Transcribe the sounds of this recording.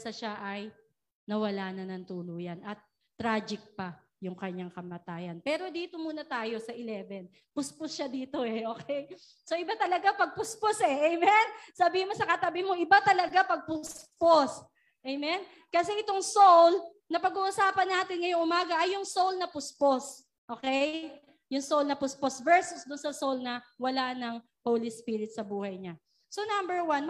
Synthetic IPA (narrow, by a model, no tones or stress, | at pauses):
sɐʃaʔɐj | nɐwɐlaːnɐnɐnt̪uːluːjɐnɐt̪̚ː | ɾaːd͡ʒɪk̚pɐ | jʊŋkɐɲːaŋkɐmɐt̪aːjɐnpɛːɾo̞d̪iːt̪o̞muːnɐt̪aːjo̞sɐʔɪlɛːbɛn | pʊspʊsʃad̪iːt̪oɛʔoːkʰɛj | soʔɪbat̪ɐlɐɡapɐɡ̚pʊsposɛʔɛjmɛnsɐbiːhɪmosɐkɐt̪ɐbɪmo̞ʔɪbat̪ɐlɐɡapɐɡ̚pʊspos | ʔɛjmɛn | kɐsɛʔɪt̪oŋsowl | nɐpɐɡuːʔʊsaːpɐnːaːt̪ɪnŋɐjoŋʔʊmaːɡɐʔɐjʊŋsowlnɐpʊspos | ʔoːkɛj | jʊŋsowlnɐpʊsposvɛɹsʊsd̪ʊnsɐsowlnɐwɐlanɐŋ | howlispiːɾɪt̪̚sɐbuːhɐjɲa | sonambɛɹwan